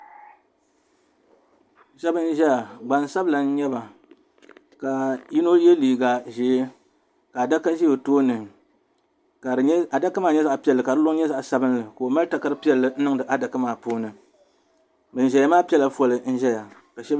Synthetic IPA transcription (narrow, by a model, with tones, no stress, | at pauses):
ʃɛ˦bɨ˦n̩˦ʒɛ˦ja˨ɡ͡ba˨n˦sa˦bla˨n̩˦ɲɛ˦ba˨ | ka˨ji˦no˦jɛ˦liː˨ɡa˨ʒe˨˦e˦ | ka˨a˨da˦ka˦ʒi˦jo˨toː˦nɨ˨ | ka˨ɨ˨˦a˨da˦ka˦maː˦˨ɲɛ˦za˦˨ʔpi˦ɛ˨lːɨ˨ka˨dɨ˦lʊ˦ŋ˦ɲɛ˦za˦ʔsa˦bɨ˦nlɨ˨ka˨o˨ma˦ɾta˨ka˦ɾɨ˦pi˦ɛ˦˨lːɨ˦n̩˦nɨ˦ŋdɨ˨ʔa˦da˨kɨ˦maː˨poː˦nɨ˨ | bɨ˨n̩˨ʒɛ˨ja˦maː˦pi˦ɛ˦la˨fo˨lɨ˨n̩˦ʒɛ˦ja˨ | ka˨ʃɛ˦